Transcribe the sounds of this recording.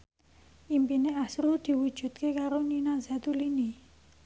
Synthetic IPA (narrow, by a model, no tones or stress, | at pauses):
ʔimpineasɾud̪̥i̤wud̥ʒ̥ṳt̪̚kekaɾoninazat̪ulini